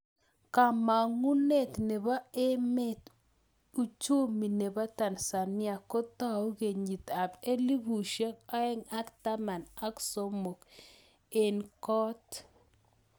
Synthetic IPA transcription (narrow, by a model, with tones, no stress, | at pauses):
ka˨ma˨ŋu˦ne˦˨t̪ne˨ba˦e˦me˦˨t̪ | u˨˦t͡ʃu˦mi˨ne˨ba˦ta˨nsa˨nɪ˦a˨ko˦t̪a˦u˦ɣe˨ɲi˨t̪a˨be˦li˦βu˨ʃe˦ka˦ɛ˦ŋa˦kta˦ma˨na˦kso˦mo˨k | e˨nkɔ˦t